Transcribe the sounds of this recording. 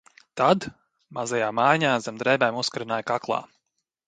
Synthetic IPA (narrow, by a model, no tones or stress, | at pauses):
t̪ad̪ | mazajaːmajɲaːazamd̪ɾɛjbɛjmuskaɾinaːjkaklˠɑ̰ː